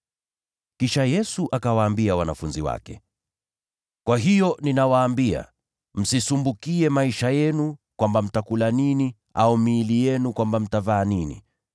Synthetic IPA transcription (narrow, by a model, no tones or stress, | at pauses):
kiʃajɛsuʔakawaːmbiawanafunziwa̰kɛ | kwaɦijɔninawaːmbia̰ | m̩sisumbukiɛmaiʃajɛnukwambam̩takulanini | aumiːlijɛnukwambam̩tavaːninḭ